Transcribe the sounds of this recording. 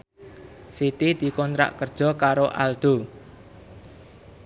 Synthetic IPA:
sit̪id̪̥i̤kɔnt̪ɾa̰ʔkərd̥ʒ̥ɔ̤kaɾoʔa̰ld̪̥o̤

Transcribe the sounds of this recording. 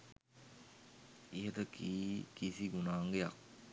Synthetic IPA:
iɦət̪əkiːkisiɡunaːŋɡeja̰k̚

